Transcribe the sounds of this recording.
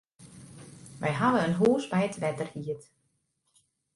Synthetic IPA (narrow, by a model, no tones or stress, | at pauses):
ʋʔɛjɦadəənɦoːsbɛjətʋɛtərhiət